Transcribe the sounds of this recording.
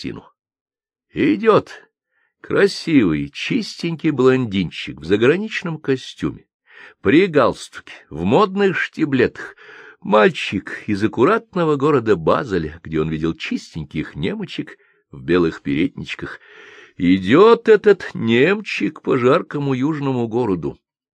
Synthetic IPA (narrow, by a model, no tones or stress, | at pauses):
tʲḭnʊ̰ | ɪdʲot̪ | kɾɐsʲivɨjt͡ɕisʲtʲɪnʲkʲɪjblˠɐnʲdʲinʲt͡ɕːɪkvzəɡɾɐnʲit͡ɕnəmkɐsʲtʲṵmʲɪ | pɾʲɪɡalˠst̪ʊ̥kʲɪ̥vmod̪̚nɨxʂtʲɪblʲet̪ə̥xmalʲt͡ɕɪkɪzəkʊɾat̪̚nəvəɡo̞ɾəd̪əba̰zəlʲəɡ̥dʲeo̞nvʲidʲɪlˠt͡ɕisʲtʲɪnʲkʲɪxnʲemət͡ɕɪk | vbʲe̞lˠɨxpʲɪɾʲedʲnʲɪt͡ɕkəx | ɪdʲot̪ɛt̪ət̪nʲemt͡ɕɪkpɐʐarkəmʊjuʐnəmʊɡoɾəd̪ʊ̰